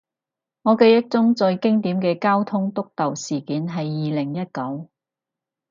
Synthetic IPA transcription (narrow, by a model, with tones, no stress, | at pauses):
ŋɔː˨˧ke˧jɐ˥k̚t͡sʊ˥ŋt͡sɔ˧jkɪ˥ŋt̪iː˨˥mkɛː˧kaː˥wt̪ʰʊ˥ŋt̪ʊ˥k̚t̪ɐ˨wsiː˨˩kiː˨˥nɦɐ˨jːiː˨lɪ˨˩ŋjɐ˥t̚kɐ˨˥w